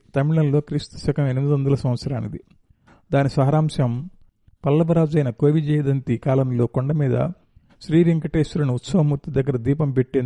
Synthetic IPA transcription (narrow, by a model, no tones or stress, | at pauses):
t̪ɐmiɭɐnlo̞ːkɾiːst̪u̥sɐkɐmenimid̪iʋɐnd̪ulɐsɐmʋɐt̪sɐɾaːnid̪i | d̪aːnisɐɦɐɾaːmsɐm | pɐlːɐbɐɾaːd͡ʒɐjnɐkoːʋid͡ʒɛːjɐd̪ɐnt̪ikaːlɐmlo̞ːkoɳɖɐmiːd̪ɐ̰ | ʃɾiːʋiŋkɐʈeːstuɾɐniut̪sɐɦɐmːut̪ːid̪ɐɡːɐɾɐd̪iːpɐmpeʈːen